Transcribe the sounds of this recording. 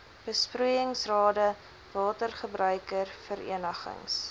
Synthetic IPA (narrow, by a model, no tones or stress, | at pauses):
b̥əspruəjəŋsrɑːdə | vɑːtərχəbrœɥkərfəɾḭənəχə̰ŋs